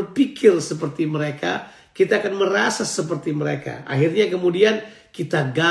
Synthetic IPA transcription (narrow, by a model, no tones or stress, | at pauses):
ərpikʰɪrsəpərt̪iməɾeka̰ | kit̪aːkanməɾasasəp̬ərt̪iməɾḛka̰ʔa̰ɦirɲakəmudian | kit̪aɡa